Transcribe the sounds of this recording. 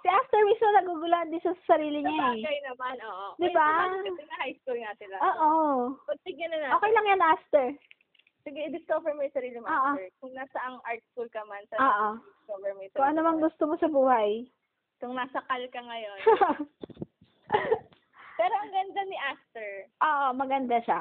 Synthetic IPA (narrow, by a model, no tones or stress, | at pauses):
sɪʔaft̪ɛɹwɪsmonɐɡuɡʊland̪iːt̪ɐsɐsɐɾiːlɪɲaaɛɡɐjnɐmanoːʔod̪ɪbaɐɪnɐhajskulŋɐsɪlɐʔoːʔopɐɡ̚t̪ɪɡ̚ɐnɐnɐoːkɛjlɐŋjanʔaft̪ɛɹ | sɪɡɪɪd̪ɪskovɛɹmojsɐɾiːlɪmʔoːʔoɛkʊŋnaːsɐʔɐŋʔaɹt̪skulkɐmansɐoːʔoɪskovɛɹmɛskʊŋʔɐnomɐŋɡʊst̪omosɐbuːhɐj | kʊŋnaːsɐkɐlkɐŋɐjo̞n | pɛːɾomɐɡɐnd̪anɪʔast̪ɛɹʔoːʔomɐɡɐnd̪aʃa